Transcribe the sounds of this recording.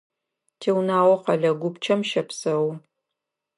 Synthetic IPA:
tʰeːwnaːwɔqɐɮɐɡʷʊpt͡ʃʰɐmʃɐpsɐw

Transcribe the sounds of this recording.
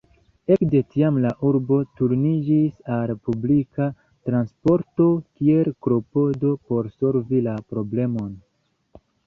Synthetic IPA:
e̞kde̞tiamlaʔuɾbo̞tuɾnid͡ʒisaɾepublika | tɾanspo̞ɾto̞kie̞lkɾo̞po̞do̞po̞ɾso̞lvilapɾo̞ble̞mo̞n

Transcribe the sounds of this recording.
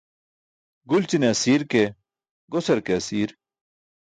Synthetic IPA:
ɡult͡ɕineɐsiːɾke | ɡosɐɾkeɐsiːɾ

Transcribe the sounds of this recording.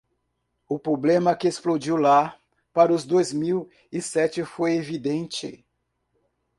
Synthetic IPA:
ʊpɾoblẽmɐkɪesplod͡ʒiwla | paɾʊzd̪ojzmiw | isɛt͡ʃɪfojevid̪ẽnt͡ʃɪ̰

